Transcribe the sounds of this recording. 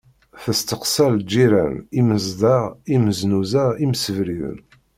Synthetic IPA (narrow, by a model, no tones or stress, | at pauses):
θəst̪əqsɑld͡ʒːiɾæ̰niməzd̪ɑʁiməznuzæimsəvɾiðə̰n